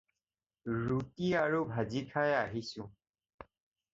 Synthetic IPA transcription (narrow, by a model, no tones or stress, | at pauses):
ɹutiaɹubʱazikʰajaɦisũ